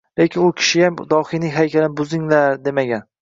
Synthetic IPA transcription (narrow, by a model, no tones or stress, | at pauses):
le̞kʲʰɪnʊkʲʰɪ̥ʃɪjamd̪ɒhɪjnɪŋɦajkʲʰalɪnɪbʊzɪŋlaɾd̪e̞maɡʲan